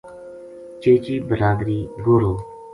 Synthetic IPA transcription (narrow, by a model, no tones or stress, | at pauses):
t͡ʃeːt͡ʃiːbəɾaːɡɾiːɡoːɾoː